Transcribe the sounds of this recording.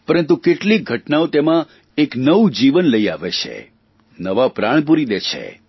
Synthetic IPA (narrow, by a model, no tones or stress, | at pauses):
pəɾənt̪ukeʈliɡʱəʈnaot̪emã | eknəʋud͡ʒiʋənləiaʋet͡ʃʰḛ | nəʋapɾaɳ̃p̬uɾid̪et͡ʃʰḛ